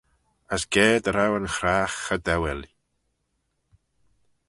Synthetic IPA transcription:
asɡ̥eːdəɾawənχraːχədɛwɛli

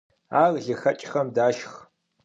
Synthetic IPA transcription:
aːrɮɨxɐt͡ʃʼχɐmdaːʃχ

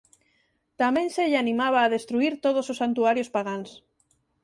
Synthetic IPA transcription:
t̪amẽnseʎanĩmaβaːðest̪ɾuiɾt̪oðososːant̪uaɾjospaɣans

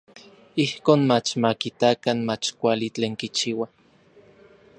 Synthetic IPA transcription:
ihkoːnmat͡ʃmakit̪akanmat͡ʃkʷalit͡ɬeːŋkit͡ʃiːwa

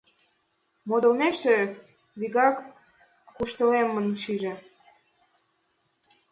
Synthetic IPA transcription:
mod̪ɤ̆lmeʃĕ | βiɣɑk | kuʃt̪ɤ̆lemːə̆nʃiʒĕ

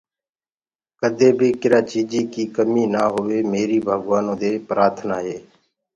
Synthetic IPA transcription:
kəd̪ʱeːbʱiːkɪɾãːt͡ʃiːd͡ʒiːkiːkəmiːnaːɦoʋeːmeːɾiːbʱəɡʋaːnõːd̪eːpɾaːɾt̪ʰnaːɦeː

